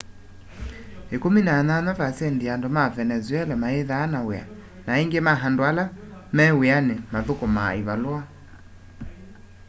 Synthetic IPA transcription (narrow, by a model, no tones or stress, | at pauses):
ekominananavasɛndiandomavɛnɛzwɛlɛmaeðaːnawea̰ | naeŋɡemaɦandoalamɛweanemaðokoma̰iβalwa